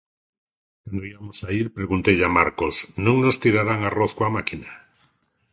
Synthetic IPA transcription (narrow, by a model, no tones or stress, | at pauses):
kwand̪oiβamosaiɾpɾeɣunt̪eʎamaɾkosnõŋnost̪iɾaɾaŋaroθkwamakina